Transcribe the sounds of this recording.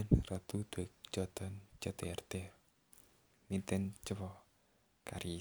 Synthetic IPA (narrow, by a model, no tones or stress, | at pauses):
nrɔt̪ud̪̥ekt͡ʃɔt̪ɔnt͡ʃɔt̪eɛrt̪e | mint̪ɪnt͡ʃəwɔ | kaɾi